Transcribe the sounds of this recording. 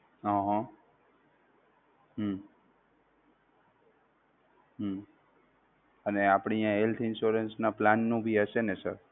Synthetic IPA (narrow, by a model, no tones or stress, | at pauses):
ɦə̃ɦã | ɦ | ɦ | əneapɳ̃ijãɦelt̪ʰɪnʃuɾənsnaplanːũbʱiɦəʃenesə̰ɾ